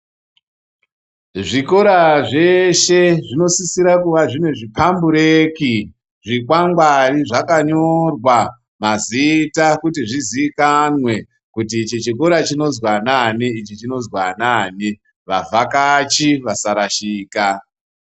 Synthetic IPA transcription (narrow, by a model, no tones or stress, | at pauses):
ʐiko̞ɾaʐe̞ʃe̞ʐino̞sisiɾakuʋaʐineʐipambuɾeki | ʐikwaŋɡwariʐakaɲo̞rwa | mazitakutiʐizikanwe̞ | kutit͡ʃit͡ʃiko̞ɾat͡ʃino̞zwananiit͡ʃit͡ʃino̞zwanani | ʋavʱakat͡ʃiʋasaɾaʃiːka